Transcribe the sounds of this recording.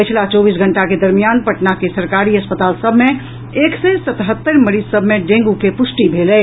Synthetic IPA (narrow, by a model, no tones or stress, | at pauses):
pət͡ʃʰlat͡ʃɔːbis̬ɡʱə̃ɳʈaked̪əɾmijaːnpəʈnakesəɾkaɾiəspət̪aːlsəbʱme | eːksẽsət̪ɦət̪ːəɾməɾizsəbʱmeɖẽːŋɡukepʊsʈibʱelɛ